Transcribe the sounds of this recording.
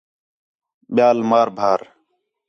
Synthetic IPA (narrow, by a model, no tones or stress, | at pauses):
ɓɪjaːlmaːɾbʱaːɾ